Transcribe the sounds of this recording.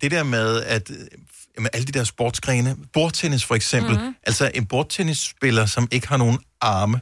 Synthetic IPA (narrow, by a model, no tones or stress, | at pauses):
d̥e̝d̥eɐmeðˠæd̥ | jæmənʔæləd̥id̥æɐsb̥oːd̥sɡ̥ʁɛːnəb̥o̝ɐd̥̚t͡sʰenisfɒ̽eɡ̥sem̰b̥l̩ʔælsɒʔe̝nb̥o̝ɐd̥̚t͡sʰenisːb̥e̝lɐsɒ̽me̝ɡ̥əhɑ̈no̝ːn̩ | ɑ̈ːmə